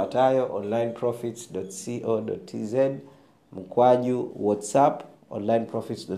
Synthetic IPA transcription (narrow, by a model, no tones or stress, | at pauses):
atajɔʔɔ̃nlaj̃npʰɹɔfitsdɔtsiʔodɔ̰tʰḭzɛd | m̩kʰwaʄuwɔtsap | ɔ̰̃nlaj̃npʰɹɔfitsdɔ